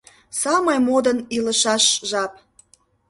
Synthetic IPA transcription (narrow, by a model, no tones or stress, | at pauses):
sɑməjmod̪əniləʃɑʃʒɑp